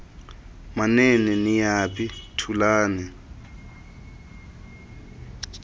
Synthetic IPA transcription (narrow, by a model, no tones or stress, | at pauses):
manɛnɛnijapʰʼitʰulaːnɛ